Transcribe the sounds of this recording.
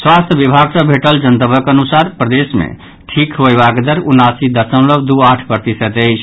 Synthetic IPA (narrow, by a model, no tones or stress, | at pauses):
swast̪ʰjəbibʱaɡsə̃bʱeʈəld͡ʒənt̪əbʱəkeənusaɾpɾəd̪esmḛ | ʈʰikɦoebakd̪əɾunasid̪əɾsə̃mləbd̪uaʈʰpɾət̪isət̪əɪt͡ʃʰ